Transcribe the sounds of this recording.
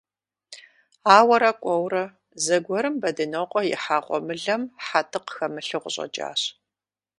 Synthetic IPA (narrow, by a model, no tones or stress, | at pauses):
aːwɐɾɐkʷʼɔwrɐ | zɐɡʷɔɾɨmbɐdɨnoːqʷʼɔjɪ̰ħaːʁʷʼɔ̰mɨɮɐmħatʰɨqxɐmɨɬɨʁʷʊɕʼɐ̰t͡ʃʼa̰ːɕ